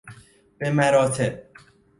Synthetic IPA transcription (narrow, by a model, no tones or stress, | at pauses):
b̥emæɾɒːt̪ʰeb̚